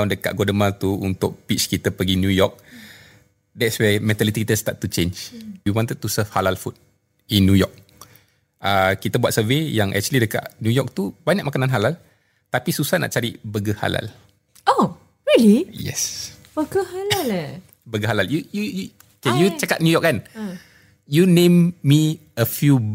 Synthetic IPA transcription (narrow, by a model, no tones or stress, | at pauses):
ndəka̰ʔ̚ɡɔdəmat̪uṵnt̪ʊk̚pit͡ʃkit̪əpəɡinjujɔk̚ | dɛtswɛmɛ̃nt̪alit̪ikit̪əst̪at̪̚ːut͡ʃẽnd͡ʒjuwɔ̃nt̪əd̚t̪usəfhalalfut̪̚ | inːjujɔk̚ | ʔəkit̪əbuat̪̚səvejaŋʔɛ̰k̚t͡ʃuəlidəka̰ʔnjujɔk̚t̪ubaɲaʔ̚makananɦalal | t̪apisusahna̰ʔt͡ʃaɾibəɡəha̰la̰l | o | ɹilijɛ̰sbəɡəhalal | bəɡəɦalaljujuju | okejut͡ʃakat̪̚njujɔk̚kːan | junẽmːi | əfju